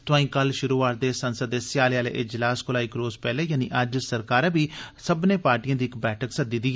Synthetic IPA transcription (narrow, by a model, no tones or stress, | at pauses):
t̪ʊãːĩːkəlʃʊɾuːaːɾ̚d̪eːsənsəd̪esjaːleaːlḛːʔɪd͡ʒlaːskʊlaːɪkɾoːzpɛːleːjaːniːʔəd͡ʒsəɾkaːɾãːbiːsəbnẽːpaːɾʈijãːd̪iːɪkbɛːʈʰəksəd̪iːd̪iː